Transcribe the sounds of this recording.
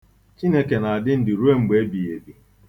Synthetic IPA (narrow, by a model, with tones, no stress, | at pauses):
t͡ʃi˦ne˦ke˨na˨a˨dɪ˦n̩˦dɪ˨ɾu˦e˦ŋ͡m̩˨ɡ͡be˨e˦bi˨je˨bi˨